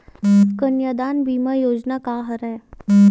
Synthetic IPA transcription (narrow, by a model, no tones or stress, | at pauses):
kənjəd̪anbiːməjod͡znakaɦəɾaj